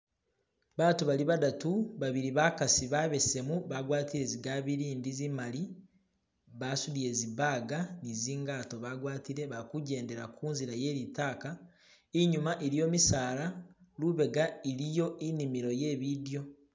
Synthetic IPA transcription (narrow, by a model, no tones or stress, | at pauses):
βaːtuβaliβadatuβaβiɾiβakasiβaβe̞se̞muβaɡwaːtiɾe̞ziɡaːβiɾiːndizimali | βaːsudie̞ːziβaɡaniziːŋɡaːto̞βaɡwaːtiɾe̞βakuɟe̞ːnde̞ɾakʰuːnziɾaje̞ːɾitaːka | iɲumaʔiɾijo̞ːmisaːɾaluβe̞ɡaiɾijo̞ʔinimiɾo̞je̞ːβidjo̞